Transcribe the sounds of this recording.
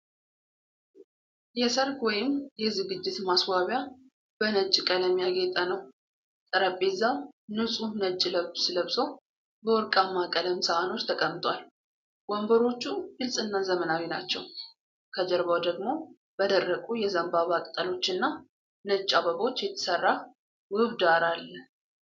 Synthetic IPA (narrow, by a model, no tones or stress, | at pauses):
jɛsəɾkwɔjɪmjɛzɨɡɨd͡ʒːɪt̪maswaβja | b̥ənət͡ʃʼːkʼələmjaɡet̪ʼənəw | t̪ʼəɾəpʼːezːawnɨsʼunət͡ʃʼːləβsləβsow | bəwɔɾkʼamːakʼələmsəʔano̞t͡ʃːt̪ʰəkʼəmːt̪ʼwal | wɔmbəɾo̞t͡ʃːuɡɨlsʼɨnːazəmənawinat͡ʃːɛw | kʰəd͡ʒəɾbawd̪əɡmo̞ | b̥əd̪ərːəkʼujɛzəmbaβakʼt̪ʼəlo̞t͡ʃːɨnːa | nət͡ʃʼːaβəβo̞t͡ʃːjɛt̪ʰə̥sərːa | wɨβd̪aɾalːə